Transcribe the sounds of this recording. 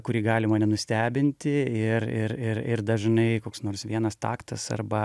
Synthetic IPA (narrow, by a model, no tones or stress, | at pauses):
kʊɾʲiːɡɑːlʲɪmɑːnʲɛnʊsʲt̪ʲæːbʲɪnʲt̪ʲɪɪrɪɾɪrɪrd̪ɐʒnɐɪkoːksnoːrsʋʲiɛnɐst̪ɑ̰ːkt̪ɐsɐ̰rbɐ